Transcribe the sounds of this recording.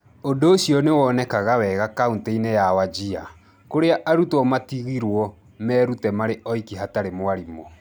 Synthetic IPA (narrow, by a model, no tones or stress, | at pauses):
ondoːɕjɔnewɔnɛkaɣawɛɣakauntɛinejawad͡ʒia | koɾeaʔaɾutwɔmatiɣiɾwɔ | mɛːɾutɛmaɾeʔɔikiɦataɾemowaɾimɔ